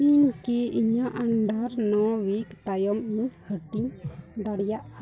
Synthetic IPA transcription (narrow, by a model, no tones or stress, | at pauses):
iɲkiiɲaʔaɳɖaɾnɔwikt̪ajɔmnihəʈiɲd̪aɽjaʔa